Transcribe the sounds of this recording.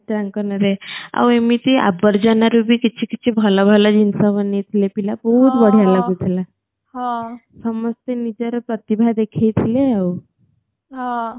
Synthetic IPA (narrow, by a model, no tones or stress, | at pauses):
ʈ̪ɾãŋkənaɾea̰wemit̪ia̰bəɾd͡ʑanaɾubʱikit͡ʃʰikit͡ɕʰibʱəlabʱəlad͡ʑinsaʋənet̪ʰilepilabəɦut̪bəɽ̤jalaɡut̪ʰila | hã | səməst̪enid͡ʒəɾpɾət̪ibʱad̪ekʰejt̪ʰileaw | ɦa